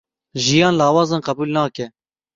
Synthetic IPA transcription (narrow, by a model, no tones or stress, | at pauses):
ʒijɑːnlɑːwɑːzɑːnqɛbuːlnɑːkɛ